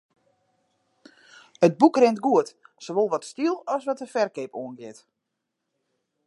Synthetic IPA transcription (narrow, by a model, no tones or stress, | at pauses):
əd̚bukrɪntɡuətsoʋoːlˠʋɔtstilˠɔsʋɔtəfɛrkepoənɡɪt